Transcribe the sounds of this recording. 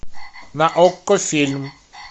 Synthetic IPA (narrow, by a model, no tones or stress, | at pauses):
naʔɔkːɔfilm